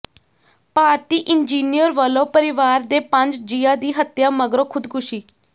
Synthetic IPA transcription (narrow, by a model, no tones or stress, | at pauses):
paːɾt̪iːʔɪnd͡ʒiːnijəɾʋəlõːpəɾɪʋaːɾd̪eːpəɲd͡ʒd͡ʒiːãːd̪iːɦət̪jaːməɡɾõːkʰʊd̪kʰʊʃiː